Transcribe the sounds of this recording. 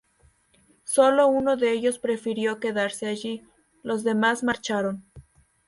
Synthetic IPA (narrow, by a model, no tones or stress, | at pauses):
so̞lo̞uno̞ðe̞eʝo̞spɾe̞fiɾjo̞ke̞ðaɾse̞aʝi | lo̞zðe̞mazmaɾt͡ʃaɾo̞n